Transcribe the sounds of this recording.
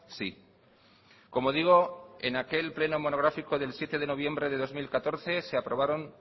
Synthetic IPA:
si | ko̞mo̞ð̞iɣ̞o̞e̞̰nake̞lple̞nomo̞no̞ɣ̞ɾafiko̞ðe̞lsje̞t̪e̞ð̞e̞no̞β̞je̞mbɾe̞ðe̞ð̞o̞zmilkat̪o̞ɾθe̞se̞apɾo̞β̞aɾo̞n

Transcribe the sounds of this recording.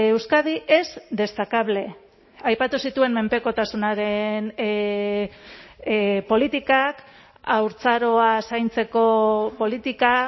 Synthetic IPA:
ewskað̞iʔe̞zd̪e̞st̪akaβ̞le̞ | ajpat̪usit̪ue̞mme̞mpe̞ko̞t̪asunaɾe̞n | po̞lit̪ikak | awɾt͡saɾo̞asajnt͡se̞ko̞po̞lit̪ika

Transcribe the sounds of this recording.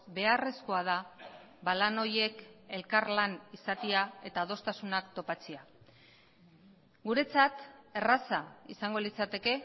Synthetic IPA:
be̞are̞sko̞að̞a | balano̞je̞ke̞lkarlanisat̪iae̞t̪aːðo̞st̪asunakt̪o̞pat͡sea | ɡuɾe̞t͡sat̪e̞rasaisaŋɡo̞lit͡sat̪e̞ke̞

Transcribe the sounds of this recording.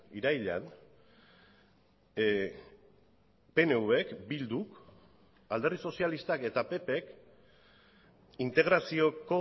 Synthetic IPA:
iɾajʎa̰n | pe̞ne̞uβe̞kbild̪uk | ald̪erðiso̞sialist̪ake̞t̪ape̞pe̞k | int̪e̞ɣ̞ɾasio̞ko̞

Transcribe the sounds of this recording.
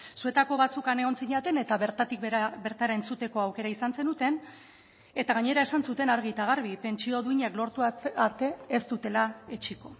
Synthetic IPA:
sue̞t̪ako̞βat͡sukane̞ɣ̞o̞nt͡siɲat̪e̞ne̞t̪aβɾt̪at̪ikabe̞ɾt̪aɾae̞nt͡sut̪e̞ko̞awke̞ɾaisanse̞nut̪e̞n | e̞t̪aɣ̞aɲe̞ɾae̞sansut̪e̞naɾɣ̞it̪aɣ̞aɾβ̞ipe̞nt͡ʃio̞ðuiɲaklo̞ɾt̪uaɾt̪e̞ːst̪ut̪e̞lae̞t͡ʃiko̞

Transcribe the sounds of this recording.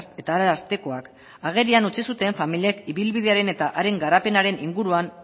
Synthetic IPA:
e̞t̪aːɾaaɾt̪e̞ko̞ak | aɣ̞e̞ɾianut͡sisut̪e̞ɱfamiliekiβilβiðe̞aɾe̞ne̞t̪aʔaɾe̞ŋɡaɾape̞naɾe̞niŋɡuɾuan

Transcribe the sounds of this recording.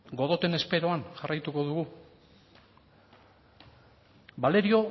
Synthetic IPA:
ɡo̞ð̞o̞t̪e̞ne̞spe̞ɾo̞anʝarajt̪uko̞ðuɣu | bale̞ɾio̞

